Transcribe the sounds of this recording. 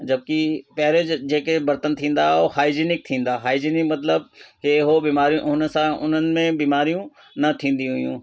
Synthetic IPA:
d͡ʒɐb̚kipɛɦɾed͡ʒd͡ʒeːkebɐɾt̪ənt̪ʰĩːn̆d̪aɦɛohaːid͡ʒinɪk̚t̪ʰĩːnd̪aːɦaːid͡ʒinɪkmɐt̪ləbkeɦobiːmaːɾijũʔʊnsãʊ̰n̤ənɪ̆mẽbiːmaːɾijũ | nɐt̪ʰĩːnd̪iɦʊjũː

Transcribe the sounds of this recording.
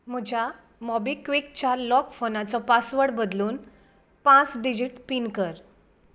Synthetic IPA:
m̤əd͡ʑʱja | mɔbikʋikt͡ɕalɔkfonat͡sɔpasʋəɽbəd̪luːn | pãt͡sɖid͡ʑiʈpinkəɾ

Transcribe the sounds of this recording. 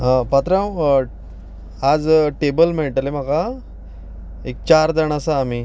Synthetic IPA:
əpat̪ɾãw | ad͡zʈebəlmeɭʈəlem̤aka | ek̚t͡ɕaɾd̪əɳasaːmiː

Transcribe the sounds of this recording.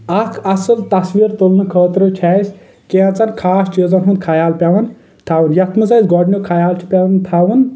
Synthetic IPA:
ɐkʰɐsɨlt̪ɐsʋiɾt̪olnɨkʰəːt̪ɾot͡ʃʰɛːsʲ | keãt͡sɐnkʰaːst͡ʃizɐɦũnd̪̚kʰajaːlpʲaʋɐn | t̪ʰaʋunjɐt̪ʰmɨsɐzɡɔɖnʲokʰajaːlt͡ʃʰi̥pʲaɐnt̪ʰaʋun

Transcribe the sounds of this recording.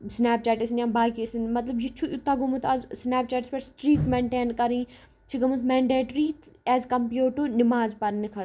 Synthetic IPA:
snɛːp̚t͡ʃɛːʈisnjanbaːkisinmɐt̪lɐbd͡ʒit͡ʃʰuʔit̪ːaɡumut̪azsnɛːp̚t͡ʃɛːʈispeʈsʈɾiːkmeɳʈeːnkɐɾĩː | t͡ʃʰiɡɐmɐsmeːɳɖeːʈɾit̪ʰɛːzkɐmpjuːʈunimaːzpɐɾnikʰɐ

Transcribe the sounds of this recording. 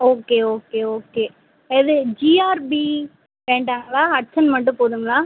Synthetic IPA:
oːkeːoːkeːoːkeː | ɪðɯd͡ʒiːaːɾbi | ʋẽːɳɖaːŋɡɐɭaːɐʈ̚t͡ʃɐnmɐʈ̬ːɯ̃poːðɯŋɡɐɭaː

